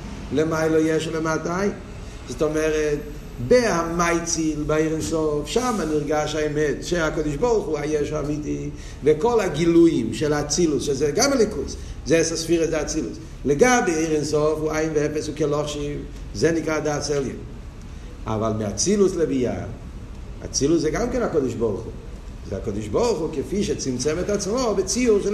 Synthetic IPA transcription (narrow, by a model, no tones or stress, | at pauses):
lɛmaɪləjɛʃlɛmataaɪn | zɔtɔmɛʁɛt̚ | behamaɪt͡silbaeɪʁinsɔfʃamaniʁɡaʃaɛmɛtʃeakɔdɪʃbɔʁˠχuajɛʃamiti | vɛkɔlaɡilujimʃɛlat͡silusʃezɛɡamalikuszɛsasfiʁəsdat͡silṵs | leɡabeeɪʁɛnsɔfuaɪnveɛpɛsukelɔχʃiv | zɛnikʁadaːsɛljɛ̰m | a̰valˠmɪat͡siluslebija̰ | a̰t͡siluszɛɡamkɛnakodɪʃbɔʁχṵ | zɛ̰akodiʃbɔʁχukefiʃet͡simt͡sɛmɛt̪at͡smobɪt͡siuʁʃ